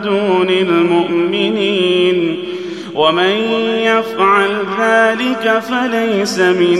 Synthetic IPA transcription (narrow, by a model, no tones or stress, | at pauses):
d̪ʊnɪlmʊʔmɪniːn | wʔamanjafʕalðaːlɪkafalajsamɪn